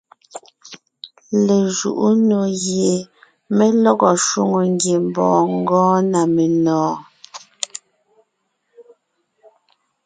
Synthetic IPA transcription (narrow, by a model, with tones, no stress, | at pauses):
le˨ʒṵ˨ʔu˦no˨ɣje˨ | me˦lɔ˦ɣɔ˨ʃwu˦ŋo˨ŋɡje˨m̩˨bɔ̰ː˨ŋ˦ɡɔ̃ː˦na˨me˨nɔ̃ː˨˦